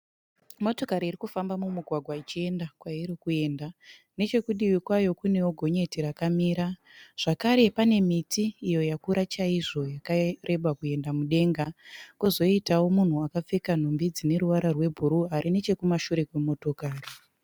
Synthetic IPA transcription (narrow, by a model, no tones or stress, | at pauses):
mo̞to̞kaɾiːrikufambamumuɡʱwaɡʱwait͡ʃie̞ndakwajiɾikue̞ːnda | ne̞t͡ʃe̞kuɗiwikwajo̞kune̞oɡʱo̞ɲe̞tiɾakamiːɾaʐ̥akaɾe̞pane̞mitʰiːjo̞jakuɾat͡ʃaiʐo̞jakarʔe̞ɓakue̞ndamuɗe̞ŋɡakuzo̞itawo̞mun̤uakap͡fekan̤ombid͡zine̞ɾuʋaɾarwe̞bʱuɾuaɾine̞t͡ʃe̞kumaʃuɾe̞kwemo̞to̞kaːri